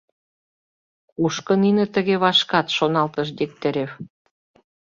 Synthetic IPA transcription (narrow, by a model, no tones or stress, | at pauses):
kuʃkɤ̆ninɘ̆t̪ə̆ɣeβɑʃkɑt̪ʃonɑlt̪ɤ̆ʃ̬d̪ek̚t̪ɘ̆ɾʲeβ